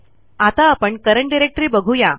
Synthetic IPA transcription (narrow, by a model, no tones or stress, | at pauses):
at̪aːpəɳkəɾəɳɖiɾek̚ʈɾiːbəɡʱuja